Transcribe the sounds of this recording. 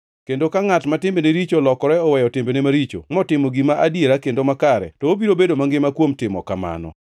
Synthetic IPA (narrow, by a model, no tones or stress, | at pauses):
kendokaŋatmatɪmbeneɾit͡ʃolɔkɔɾɛɔwɛjɔtɪmbenemaɾit͡ʃo̰mɔtɪmoɡimaʔadjeɾakendomakaɾɛ̰tɔobiɾobedomaŋɡɪmakwomtɪmɔ̰kama̰nɔ̰